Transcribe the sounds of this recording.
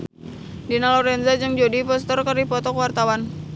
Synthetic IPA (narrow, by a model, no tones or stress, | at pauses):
dinalɔɾɛnzad͡ʒəŋd͡ʒodipɔst̪ərkəripɔt̪ɔkəwart̪awan